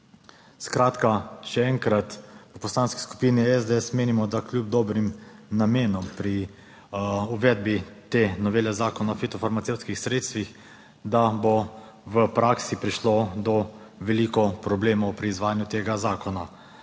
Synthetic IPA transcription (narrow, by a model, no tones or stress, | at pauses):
skɾaːt̪kaʃɛɛŋkɾat̪pəpɔslaːnski̥sku̥piːniɛzd̪eɛsmeːnimɔd̪aklʲjub̚d̪ɔbɾimnameːnɔmpɾi | uʋɛd̪̚bit̪eːnɔʋeːlɛzaːkɔnafit̪ɔfaɾmat̪ewt̪skixsɾeːt̪st̪ʋix | d̪abɔ | ʋəpɾaːksipɾiʃlod̪ɔ | ʋɛliːkɔpɾɔbleːmɔwpɾiːzʋaːjanjut̪eːɡazaːkɔna